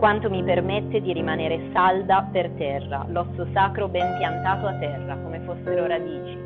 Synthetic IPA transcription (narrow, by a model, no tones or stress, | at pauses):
kwant̪omipermet̪ːed̪iɾimaneːɾesald̪apert̪ɛrːa̰lɔsːosaːkɾobɛmpjant̪aːt̪oat̪ːɛrːakomefosːeɾoɾad̪iːt͡ʃi